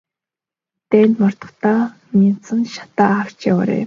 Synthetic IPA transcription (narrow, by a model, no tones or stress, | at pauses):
t̪ænʲt̪mɔr̥t̪ɞ̆χt̪aː | mint͡sə̆nʃḁt̪aːaw̥t͡ɕawa̰ɾḛ